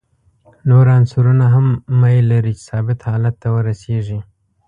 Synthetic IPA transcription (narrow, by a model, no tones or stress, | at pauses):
noɾansuɾunaɦamːajlaɾit͡ʃɪ̥sɑbɪt̪hɑlat̪ːawəɾaseʐi